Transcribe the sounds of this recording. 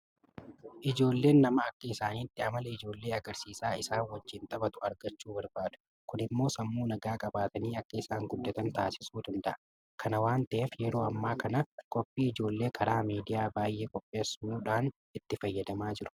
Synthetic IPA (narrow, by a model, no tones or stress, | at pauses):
ʔɪd͡ʒo̞ːlːe̞ːnːɐmɐɐkːɐɪsaːniːt̪ːɪɐmɐlɐɪd͡ʒo̞ːlːeːɐɡɐɾsiːsaːɪsaːnwɐd͡ʒːɪnt̪ʼɐbɐt̪ʊ̥ɐɾɡɐt͡ʃːuːbɐɾbaːᶑ̥̪ʊ̥ | kʊnɪmːo̞ːsɐmːuːnɐɡaːkʼɐbaːt̪ɐniːɐkːɐɪsaːŋɡʊd̪ːɐt̪ɐnt̪aːsɪ̥suːd̪ɐnd̪ɐʔɐ | kʰɐnɐwaːnt̪ɐʔeːfjɛɾo̞ːɐmːaːkɐnɐkʼɔpʼːiːɪd͡ʒo̞ːlːe̞ːkʰɐɾaːmiːd̪ɪjaːbaːjʔe̞ːkʼɔpʼːe̞ːsːuuːᶑaːn | ɪt̪ːɪfɐjːɐd̪ɐmaːd͡ʒɪɾʊ̥